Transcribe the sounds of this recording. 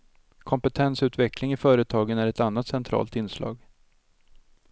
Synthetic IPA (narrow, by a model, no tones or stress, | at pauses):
kʰɔmpət̪ʰɛnsʉ̟ːt̪vɛklɪŋɪfœːɾət̪ʰɑːɡənæɾɛt̪anːat̪sɛnt̪ʰɾɑ̰ːlt̪ɪnːslɑ̰ːɡ